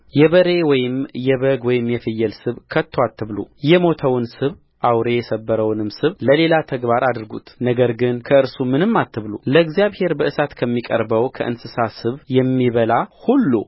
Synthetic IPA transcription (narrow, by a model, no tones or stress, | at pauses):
jɛβəɾe̞wɔjɪmjɛβəɡwɔjɪmjɛfɨjːɛlsɨβkʰət̪ːwat̪ʰːɨβlṵjɛmo̞t̪ʰəwnsɨβ | ʔawɾe̞jɛsəbːəɾəwnɨmsɨβləle̞lat̪ʰəɡbaɾad̪ɾɡṵt̪nəɡəɾɡɨnkʰəɨɾsumɨnɨmːat̪ʰːɨβlṵləɨɡzijaβhe̞ɾbəʔɨsat̪kʰəmːikʼə̰ɾbəwkʰə̰ʔɨ̰nsɨsasɨβjɛmːiβəlahulːṵ